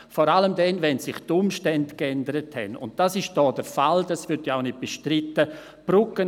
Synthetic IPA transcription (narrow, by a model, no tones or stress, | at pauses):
fɔːɾaləmdɛnvɛnsɪχtʊmʃtɛndkɛndəɾəthɛ̰nʊ̰nt̚d̥asɪʃd̥ɔːd̥əɾfald̥asvʏɾtjaʊnɪt̚b̥əʃtɾɪtːə | b̥ɾʊkən